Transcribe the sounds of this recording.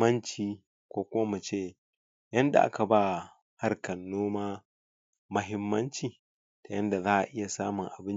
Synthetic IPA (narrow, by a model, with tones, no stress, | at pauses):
ɐ˦nt͡ʃiː˨ | kʷoː˦kʷʊ˦ma˦mɐ˨t͡ʃeː˦ | jɐ˦nda̰˨ʔa̰˦ka˨baː˦˨ | ha˦rkɐ˨nːoː˦maː˦ | mɐ˦ɦɪ˦mːɐ˦nt͡ʃiː˨ | ta˨jɐ˦nda˨zaː˦ʔa̰˨ʔɪ˦ja˨saː˦mʊ˨ŋʔa˨bɪ˦